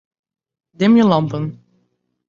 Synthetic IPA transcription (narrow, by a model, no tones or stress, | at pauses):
dɪmjəlɑmpən